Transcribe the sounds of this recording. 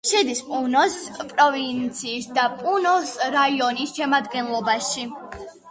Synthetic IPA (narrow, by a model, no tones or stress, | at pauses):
ʃɛd̪ispʼunɔspʼɾɔvint̪sʰiːsd̪apʼunɔsɾaiɔnisʃɛmad̪ɡɛnlˠɔbaʃi